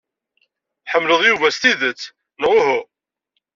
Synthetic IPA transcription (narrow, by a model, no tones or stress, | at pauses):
ħəmːləðˤjuvæst̪iðət͡sː | nʁʊɦʊ